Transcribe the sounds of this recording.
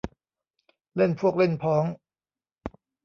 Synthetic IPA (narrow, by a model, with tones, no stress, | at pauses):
le˥˩˨npʰu˥˩ək̚le˥˩npʰɔː˩˦ŋ